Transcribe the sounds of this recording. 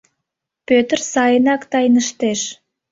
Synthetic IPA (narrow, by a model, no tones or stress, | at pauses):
pøt̪ərsɑjənɑkt̪ɑjnəʃt̪eʃ